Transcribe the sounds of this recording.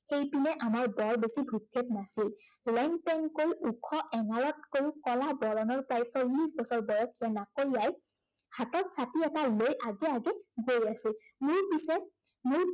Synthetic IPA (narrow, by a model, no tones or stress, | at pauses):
xejpinɛʔamaɹbɔɹbesibʱɹutʰːetnasillɛŋpɛŋkojʔukʰɔʔɛŋaɹɔt̚kojukɔlabɔɹɔnɔɹpɹajsolːisbɔsɔɹbɔjɔkʰijanakoɹaj | hatɔt̚satiɛtalojʔaɡɛaɡɛɡojasilmʊɹpisɛ | mʊɹ